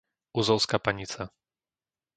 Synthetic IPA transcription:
uzɔʊskapaɲit͡sa

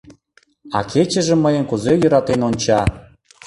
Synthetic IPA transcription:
ɑ̰kʰet͡ɕə̆ʒĕməjənkuzejøɾɑt̪enonʲt͡ɕɑ

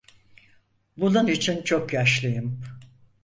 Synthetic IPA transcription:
bulˠunit͡ʃʰint͡ʃʰo̞kjaʃlˠɯjɯm

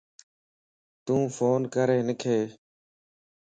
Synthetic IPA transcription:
t̪ũːfoːnkəɾeːnɪkʰeː

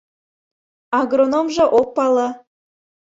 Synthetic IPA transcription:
ɑɡronomʒɤ̆ʔok̚pɑlɑ

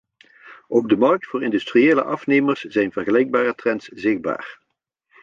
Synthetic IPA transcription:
ʔɔb̚dəmɑrk̚tfʊːɹɪndystrieːlə̰ʔɑfnejmərsz̥ɛjnvərχəlɛjɡ̚baːrətrɛntsz̥ɪχ̚ba̰ːr

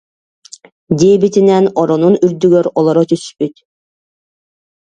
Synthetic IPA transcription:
d̪iːbit̪inɛnɔɾɔnunyɾd̪yɡœɾɔlˠɔɾɔt̪yspyt̪

